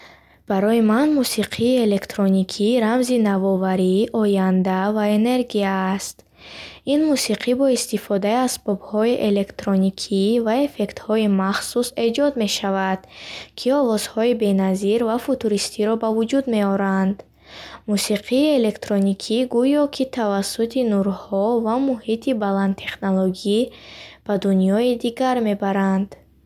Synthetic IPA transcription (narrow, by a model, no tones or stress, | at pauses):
b̥aɾɔjimanmusiqʰiːele̞kt̪ɾonikʰiɾamzinavɔvaɾiʔɔjand̪avae̞ne̞ɾɡiaːst̪ | inmusiqʰibɔist̪ifɔd̪aiasbɔbhɔiʔe̞le̞kt̪ɾonikʰivae̞fe̞kt̪hɔimaχsuse̞d͡ʒɔd̪me̞ʃavad̪̥kʰiɔvɔz̥hɔibe̞naziɾvafut̪uɾist̪ʰiɾɔbavud͡ʒud̪me̞ɔɾand̪ | musiqʰiːele̞kt̪ɾonikʰiɡujɔkʰit̪ʰavasːut̪ʰinuɾhɔvamuhit̪ʰibaland̪t̪ʰe̞χnoloɡib̥ad̪unjɔid̪iɡaɾme̞baɾand̪